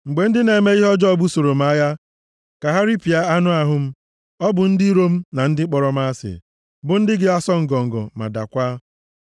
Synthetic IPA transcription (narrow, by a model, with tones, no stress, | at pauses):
ŋ͡m̩˨ɡ͡be˨n̩˦dɪ˦ne˨me˦i˦ɦɔ˦d͡ʒɔ˦bu˦so˨ɾo˨m̩˦a˦ja˦ | ka˨ɦa˦ɾi˦pi˨a˦a˦nʊ˦a˨ɦʊ˦m̩˦ | ɔ˦bʊ˨n̩˦di˦ɾo˦m̩˦na˨n̩˦dɪ˦k͡pɔ˨ɾɔ˨m˦a˦sɪ̰˨ | bʊ˨˦n̩˦dɪ˦ɡɪ˦a˦sɔ˦ŋ̩˨ɡɔ˨ŋ̩˨ɡɔ̰˨ma̰˨da̰˨kʷa˦